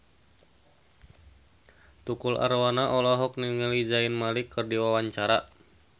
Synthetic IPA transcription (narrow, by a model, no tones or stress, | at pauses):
t̪ukulʔa̰rwanaʔɔlɔɦɔk̚niŋəlid͡ʒaɪnmalikːɨrdiwawaɲt͡ʃaɾa